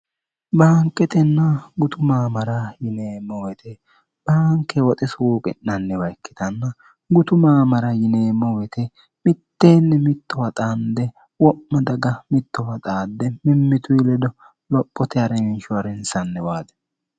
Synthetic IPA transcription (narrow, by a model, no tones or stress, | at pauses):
baːŋkʼːɛt̪ʼɛnːɐɡʊt̪ʊmaːmɐɾɐjɪneːmːɔwɛt̪ʰɛ | b̥aːŋkːɛwɔt̪ʼɪsuːkʼɪ̰nːɐnːɛwɐjkːɪ̥t̪ɐnːɐ | ɡʊt̪ʊmaːmɐɾɐjɪne̞ːmːɔwɛt̪ɛ | mɪt̪ːeːnːɛmɪt̪ːɔwɐt̪ʼand̪ɛ | wɔʔːɐd̪ɐɡɐmɪt̪ːɔwɐt̪ʼaːd̪ːɛmɪmːɪt̪ʊɪlɛd̪ɔ | lɔpʼːɔt̪ɛɐɾɛmɪnʃʊwɐɾɛnsɐnːɛwaːd̪ɛ̥